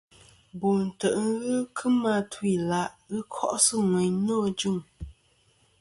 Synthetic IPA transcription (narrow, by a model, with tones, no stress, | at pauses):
bo˨n̩˨tə˨ʔŋ̩˦ɣɨ˦kʰɨ˦ma˦tʰwi˦˨la˦ʔɣɨ˦kʰɔ˦˨ʔsɨ˦ŋwɛ˨ɲnɔ˦d͡ʒu˦˨ŋ